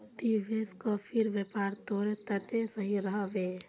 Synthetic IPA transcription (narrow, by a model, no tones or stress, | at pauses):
t̪iʋeːskapʰɪɾʋepaːɾt̪oːɾet̪əʈesəɦiɾəɦʋeː